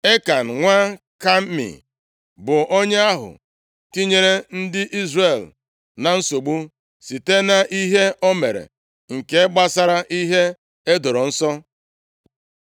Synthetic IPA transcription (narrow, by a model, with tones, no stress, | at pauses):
e˦ka˨n̩˨ŋʷa˦ | ka˦m̩˦mḭ˨ | bʊ˨ʔo˦ɲe˦a˦ɦʊ̰˨ | ti˦ɲe˦ɾe˦n̩˦dɪ˦ʔi˦zre˨l | na˨n̩˦so˨ɡ͡bu˦ | si˨te˦na˦ʔi˦ɦe˦ʔo˦me˨ɾḛ˨ | ŋ̩˨ke˦ɡ͡ba˦sa˦ɾa˦ʔi˦ɦe˦ | e˦do˨ɾo˨n̩˦sɔ˦